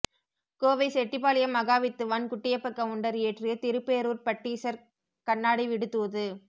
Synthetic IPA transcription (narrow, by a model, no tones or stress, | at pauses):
koːʋɐɪsɛʈːɪp̬ːaːlɪjɐmːɐɣaːʋɪt̪ːɯʋɐnkʊʈːɪjɐpːɐkːɐmʊɳɖɐɾeːʈrɪjɐt̪ɪɾɯpːeːɾuːɾpɐʈːiːsɐɾ | kɐɳːaːɽiʋɪɽɯt̪ːuːðɯ